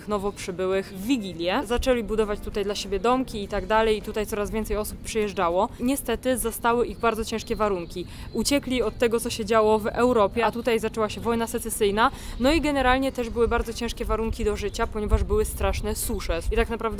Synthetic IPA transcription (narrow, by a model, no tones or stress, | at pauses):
xnɔvɔpʂɘbɘwɘxvːʲiɡʲilʲjɛzat͡ʂɛlʲibud̪ɔvat͡ɕt̪ut̪ajd̪laɕebʲjɛd̪ɔmkʲiːt̪aɡd̪alɛjit̪ut̪ajt̪sɔɾazvʲjɛnt̪ɛjɔsupːʂɨjɛʐd͡ʐawɔɲɛst̪ɛt̪ɘzast̪awɘʔiɣbaɾd̪zɔt͡ɕɛ̃ʂkʲɛvaɾuŋkʲiut͡ɕɛklʲiɔt̪ːɛɡɔt̪sɔɕɛd͡ʑawɔvɛwɾɔpʲjɛat̪ut̪ajzat͡ʂɛwaɕɛvɔjnasɛt̪sɛsɘjnanɔiɡɛnɛɾalɲɛt̪ɛʐbɘwɘbaɾd̪zɔt͡ɕɛ̃ʂkʲɛvaɾuŋkʲid̪ɔʐɘt͡ɕapɔɲɛvaʐbɘwɘst̪ɾaʂnɛsuʂɛit̪aknapɾavd̪